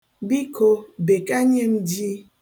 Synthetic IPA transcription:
bi˦kʰo˦be˨ka˦ɲe˦mdi˦

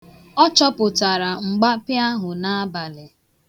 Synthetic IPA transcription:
ɔ˦t͡ʃɔ˦pʊ˨ta˨ɾa˨ŋ͡m̩˨ɡ͡ba˦pɪ˦a˦ɦʊ˨na˦ba˨lɪ˨

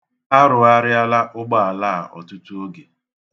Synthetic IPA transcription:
a˦ɾʊ˨a˦ɾɪ˦a˦la˦ʔʊ˦ɡ͡ba˦˨a˨la˦a˨ʔɔ̰˨tu˦tu˦o˦ɡe˨

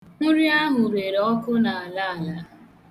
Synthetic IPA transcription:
ŋʊ˦ɾi˦a˦ɦʊ˨ɾe˨ɾɔ˦kʊ˦na˨a˨la˦a˨la˨

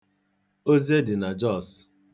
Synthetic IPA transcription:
o˦zi˦e˦dɪ˨na˨d͡ʒɔ˦˨s

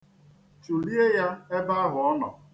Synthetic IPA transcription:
t͡ʃu˨li˦e˦ja˦e˦ba˦a˦ɦʊ˨ɔ˦nɔ̰˨

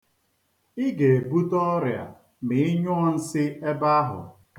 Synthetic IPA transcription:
ɪ˦ɡe˨e˨bu˦tɔ˦ɾja̰˨ | mɪ˨ɪ˦ɲʊ˦ɔ˦n̩˦sɪ˦e˦ba˦ɦʊ̰˨ | k

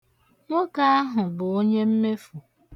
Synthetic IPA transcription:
ŋo˦ka˦a˦ɦʊ˨bʊ˨o˦ɲe˦m̩˦me˦fu˨

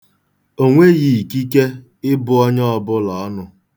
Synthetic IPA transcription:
o˦ŋʷe˦ɣi˨ki˦ke˦ | ɪ˦bʊ˨ɔ˦ɲɔ˦ɔ˨bʊ˦lɔ˨˦nʊ˦

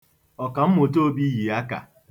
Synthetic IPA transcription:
ɔ˨ka˨m̩˦mo˨t̬o˦bi˦ji˨a˦ka̰˨

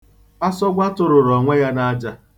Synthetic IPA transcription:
a˦sɔ˦ɡʷa˦tʊ˨ɾʊ˨ɾɔ˨ŋʷe˦ja˦na˦d͡ʒa˦

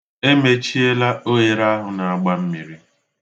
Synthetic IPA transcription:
e˦me˦t͡ʃi˦e˦la˦o˦je˨ɾa˦ɦʊ˨na˨a˨ɡ͡ba˦m̩˦mi˨ɾi˦

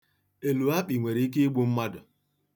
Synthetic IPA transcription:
e˨lu˨a˦k͡pi˨ŋʷe˨ɾi˨i˦k̬e˦i˦ɡ͡bu˦m̩˦ma˦dʊ˨

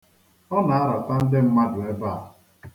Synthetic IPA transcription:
ɔ˦na˨a˦ɾɔ˨ta˦n̩˦dɪ˦m̩˦ma˦dʊ˨e˦ba˦˨a˨

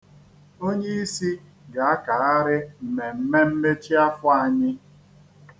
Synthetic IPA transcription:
o˦ɲe˦i˦si˦ | ɡa˨a˦ka˨a˦ɾɪ˦m̩˨me˨m̩˦me˦m̩˦me˦t͡ʃi˦a˦fʊ˦a˨ɲɪ˦

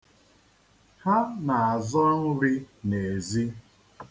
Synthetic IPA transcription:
ha˦na˨a˨zɔ˦n̩˦ɾɪ˦ne˨zi˦

